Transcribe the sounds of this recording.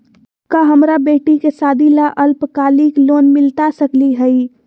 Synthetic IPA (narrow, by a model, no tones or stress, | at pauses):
kaɦəmɾabeʈikesad̪ʱilaʔəlpkaliklonmɪlt̪asəkliɦəi